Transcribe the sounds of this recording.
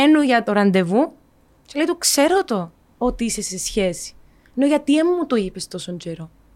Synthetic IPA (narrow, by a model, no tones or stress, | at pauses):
enuʝɐt̪oɾɐnd̪e̞vu | celeit̪ukse̞ɾot̪o̞ | ot̪iise̞sesçe̞si̥ | enoʝɐt̪iemːut̪oipe̞st̪o̞soɲd͡ʒe̞ɾo̞